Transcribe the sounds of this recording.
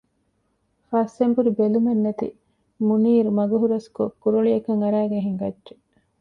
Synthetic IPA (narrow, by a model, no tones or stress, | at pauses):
fɐsːembuɾibelumenːɐt̪ḭ | muniːɾumɐɡuɦuɾɐskokːuɾuɭiɐkɐŋɐɾæːɡeɦiŋɡɐdʒe